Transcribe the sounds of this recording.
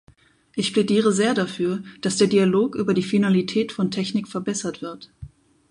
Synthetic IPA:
ʔɪçpl̥ɛdiːʁ̞əzeːɐdafyːɐd̥asd̥eːɐdiːaloːkʔyːbɐdiːfinalitʰɛːtfɔntʰɛçnɪkfɛɐbɛsɐtv̥ɪɐt

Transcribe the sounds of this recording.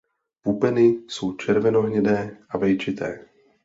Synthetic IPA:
pupɛnisuːt͡ʃɛɾvɛnoɦɲɛdɛːʔavɛjt͡ʃit̪ɛː

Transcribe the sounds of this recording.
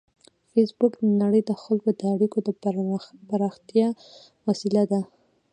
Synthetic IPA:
fesbʊkd̪ənaɽəjd̪əxalkod̪əaɽikod̪ə | pəɾɑxt̪jɑ | wasilad̪a

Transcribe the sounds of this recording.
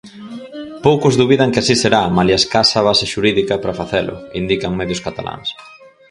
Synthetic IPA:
powkʊzðuβiðɐŋkɪasiseɾamaljaskasaβaseʃuɾiðikɐpɾafaθɛlʊ̰ind̪ikaŋmɛðjʊskat̪ala̰ŋs

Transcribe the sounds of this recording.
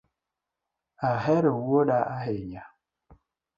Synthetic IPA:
aɦɛɾewoɗaaɦeɲa

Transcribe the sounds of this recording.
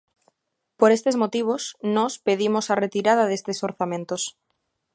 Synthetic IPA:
poɾe̞st̪e̞zmot̪iβ̞osnospe̞ðimosaret̪iɾað̞aðest̪esoɾθamẽnt̪os

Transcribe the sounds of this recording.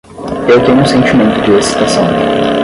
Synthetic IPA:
ewt̪õũsẽnt͡ʃimẽnt̪ʊd͡ʒ̪ɪɐsi̥t̪ɐsɐ̃w̃

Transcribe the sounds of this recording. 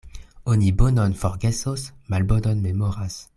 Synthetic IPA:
onibonɔnfɔʁɡɛsosmalbodɔnmemɔʁas

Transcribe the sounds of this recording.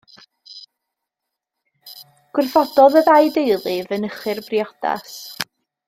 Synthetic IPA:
ɡ̥wɪrfɔd̥ɔðəðajdejlˠɨvənəχɨrbrjɔd̥a̰s

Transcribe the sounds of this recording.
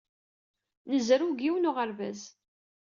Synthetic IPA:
nəzɾuɡiwənʊʁəɾvæz

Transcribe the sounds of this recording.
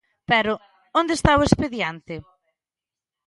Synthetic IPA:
pɛɾʊ | ond̪est̪aoespeðjant̪ɪ

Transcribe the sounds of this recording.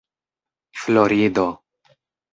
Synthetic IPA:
floɾid̪o

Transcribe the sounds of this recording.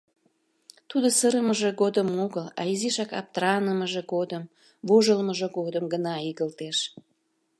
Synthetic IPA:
t̪ud̪osəɾəməʒeɣod̪əmoɣəlɑ̰iziʃɑkɑ̰p̚t̪ɾɑnəməʒeɡod̪əm | voʒəlməʒeɡod̪əmɡənɑiɣəlt̪eʃ

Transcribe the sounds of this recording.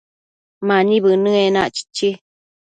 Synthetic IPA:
manĩβɨnɨ̃enã̰ʔt͡ʃi̥t͡ʃːi

